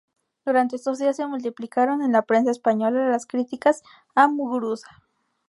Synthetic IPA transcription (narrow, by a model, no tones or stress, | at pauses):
d̪uɾant̪eest̪ozðiasemult̪iplikaɾonenlapɾens̬aespaɲolalaskɾit̪ikas | amuɣɾusḁ